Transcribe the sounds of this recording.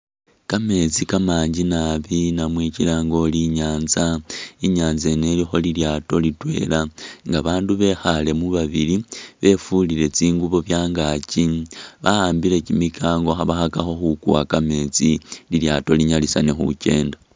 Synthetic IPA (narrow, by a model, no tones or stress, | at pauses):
kame̞t͡sikamaːɲɟinaβinamwicilaŋɡo̞liɲaːnzaiɲaːnze̞ne̞lixo̞liljaːto̞litwe̞̰laŋɡaβaːnduβe̞xale̞muβaβiliβe̞fuliɾe̞t͡siːŋɡuβo̞βjaːŋɡaciβahaːmbiɾe̞cimikʰaːŋɡo̞xaβaxakaxo̞xukuwakame̞t͡sililjato̞liɲalisanexṵce̞̰ːnda